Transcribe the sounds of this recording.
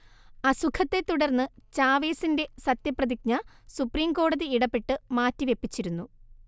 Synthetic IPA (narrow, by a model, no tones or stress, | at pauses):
ɐsukʰɐt̪ːe̞t̪ːuɽɐrnːɨt͡ɕaːʋe̞ːsinde̞sɐt̪jɐprɐðik̚ɲɐ | supriːmko̞ːɽɐðiiɽɐpːe̞ʈːɨmaːtːiʋe̞pːit͡ɕːiɾunːu